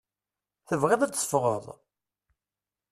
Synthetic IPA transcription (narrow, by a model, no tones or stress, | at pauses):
θəvʁeðˤæːə̥fʁə̰ðˤ